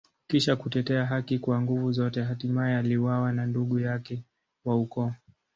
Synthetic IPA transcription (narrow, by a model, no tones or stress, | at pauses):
kiʃakutɛtɛaɦakikwaŋɡuvuzɔtɛɦatimaɛaliwawananduɠujakɛ | waukɔ